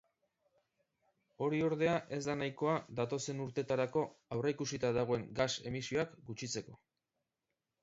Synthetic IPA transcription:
o̞ɾio̞ɾðe̞aʔe̞zd̪anajko̞ad̪at̪o̞se̞nuɾt̪e̞t̪aɾako̞awreikusit̪aðaɣ̞o̞e̞ŋɡase̞̰misio̞akɡut͡ʃit͡se̞ko̞

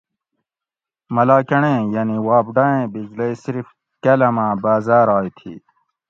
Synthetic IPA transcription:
mɐlaːkɐɳẽːjɐniwaːbɖaẽːbid͡ʑleisiɾf | kɐlɐmãːbaːzaːɾaːjt̪ʰḭː

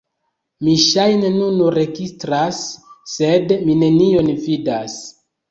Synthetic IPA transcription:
miʃajne̞nunuɾe̞ɡistɾasːe̞dmine̞nio̞nvidas

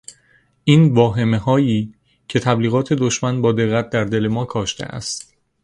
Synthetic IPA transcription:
ʔiːnvɒːɦe̞meɦɒːjiː | cʰe̞t̪ʰæbliːɣɒːt̪ʰe̞d̪oʃmænbɒːd̪e̞ɣːæt̪̚d̪æɾd̪e̞le̞mɒːkʰɒːʃt̪e̞̰ʔæ̰st̪

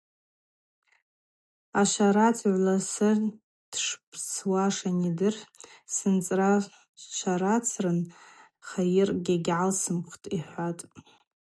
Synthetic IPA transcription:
aʃʷaɾat͡sʰʕʷlasɨr | d̥ʂpʰt͡sʰwaʂanidɨrsɨnt͡sʼra | ʃʷaɾat͡sʰrɨn | χajɪrɡʲaɡʲʕalsɨmχtʼiħʷatʼ

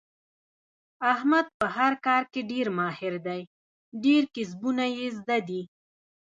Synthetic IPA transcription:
ahmad̪̚pəɦaɾkɑːɾkeɖeɾmɑhɪɾd̪aj | ɖeɾkɪs̬bunajezd̪ad̪i

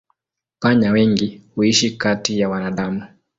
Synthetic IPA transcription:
paɲawɛŋɡihuiʃikatijawanaɗamu

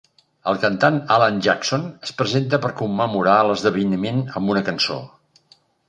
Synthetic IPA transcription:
əlˠkənt̪analanʒaksonəspɾəzent̪̬əpəɾkumːəmuɾaələzðəβ̞əjnimenəmbunəkənso̰

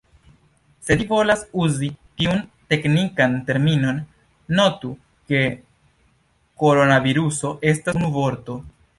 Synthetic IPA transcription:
se̞divo̞lasuzitiunte̞knikante̞ɾmino̞nː | o̞tu | ke̞ | ko̞ɾo̞naviɾuso̞ʔe̞stanuvo̞ɾto̞

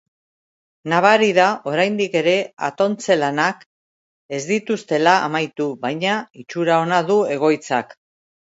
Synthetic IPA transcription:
naβaɾiðaʔo̞ɾajnd̪ike̞ɾe̞a̰t̪o̞nt͡se̞lanak | e̞zd̪it̪ust̪e̞la̰ːmajt̪uβajɲait͡ʃuɾao̞nað̞ue̞ɣ̞o̞jt͡sak

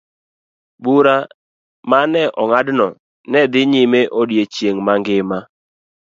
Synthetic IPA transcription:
ɓuɾa | manɛʔɔŋadnɔ | nɛd̪ɪɲɪmeʔodjet͡ʃjeŋmaŋɡɪma

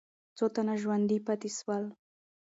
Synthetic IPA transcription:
t͡sot̪anaʃwand̪ipat̪ɪswal

